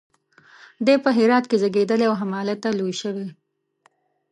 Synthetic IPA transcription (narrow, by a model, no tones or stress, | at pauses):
d̪epəɦɪɾɑt̪kezəɡed̪əleawɦamɑlat̪ːalojʃəwe